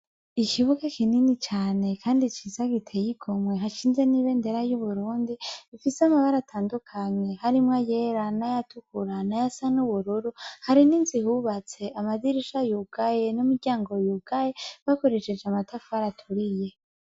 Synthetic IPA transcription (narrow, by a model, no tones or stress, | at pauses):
iciβukakininit͡ʃaːne̞kʰaːndit͡ʃizaɡitʰejiɡo̞mwe̞ɦaʃiːnzeniβe̞ndeɾajuβuɾuːndiifiseamaβaɾatʰaːndukʰaɲe̞haɾimŋaje̞ɾanajatukuɾanajasanuβuɾuɾuhaɾininzihuβat͡se̞ʔamadiɾiʃajuɡ̥aje̞numuɾɟaːŋɡo̞juɡ̥ajeβako̞ɾe̞ʃe̞d͡ʒeamatʰafuaɾatʰuɾije̞